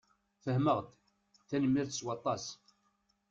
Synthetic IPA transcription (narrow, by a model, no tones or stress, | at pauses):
fəhməʁd̪ | θænmːiɾθswɑt̪ˤːɑs